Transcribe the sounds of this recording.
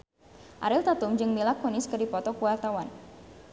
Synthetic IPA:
ʔaɾɪlt̪at̪umd͡ʒɨŋmilakonɪskɨrdipɔt̪ɔkuwart̪awan

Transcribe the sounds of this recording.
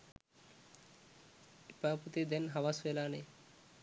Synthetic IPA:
ipaput̪ed̪enɦawaselaːne

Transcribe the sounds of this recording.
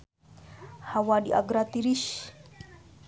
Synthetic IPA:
hawadiʔa̰ɡɾat̪iɾiʃ

